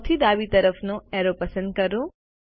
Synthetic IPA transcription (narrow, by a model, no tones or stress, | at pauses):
t̪ʰid̪aːʋit̪ɐɾəfʰnoɛɦɾopɐsə̃nd̪̚kɐɾo